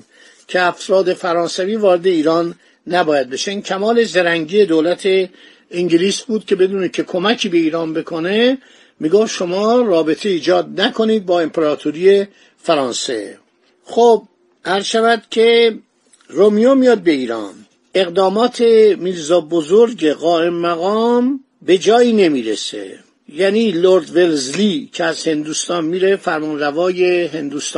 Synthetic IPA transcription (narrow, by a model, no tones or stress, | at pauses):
cʰeæfɾɒːd̪e̞fæɾɒːnsæviːvɒːɾe̞d̪eiːɾɒːnː | æbɒːjæd̪̚be̞ʃeincʲʰæmɒːle̞zeɾæŋɟiːed̪oːlæt̪ʰe | iŋɟiliːsbuːd̪̥̚cʰʲe̞be̞d̪uːnecʰe̞kʰo̞mækʰiːbe̞iːɾɒːnbe̞kʰo̞ne̞ | miːɡoft̪ʃo̞mɒːɾɒːbe̞t̪ʰe̞iːd͡ʒɒːd̪̚nækʰo̞niːd̪̚bɒːempʰeɾɒːt̪ʰoɾiːe̞ | fæɾɒːnse̞̰ | xob̚ | æɾzʃævæd̪̥cʰe̞ | romijomijɒːd̪̚be̞iːɾɒ̰ːn | e̞ɣd̪ɒːmɒːt̪ʰe̞miːɾzɒːbozoɾɟeɣɒːe̞mːæɣɒːm | be̞d͡ʒɒːiːne̞miːɾḛsḛ | jæniːloɾd̪velzlicʰeæz̥he̞nd̪uːst̪ɒːnmiːɾe̞fæɾmɒːnrævɒːje̞ɦe̞nd̪uːst̪ː